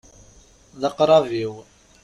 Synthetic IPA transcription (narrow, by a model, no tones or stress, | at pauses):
ðəqɾˤɑviw